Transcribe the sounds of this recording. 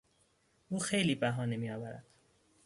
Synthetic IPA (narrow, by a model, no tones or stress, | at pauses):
ʔuːxe̞jliːbæɦɒːne̞miːjɒːvæɾæ̰d̪̥